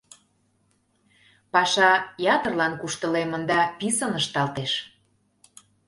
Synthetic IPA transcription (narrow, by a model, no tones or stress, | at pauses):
pɑʃɑjɑt̪ərlɑnkuʃt̪əlemənd̪ɑpisənəʃt̪ɑlt̪eʃ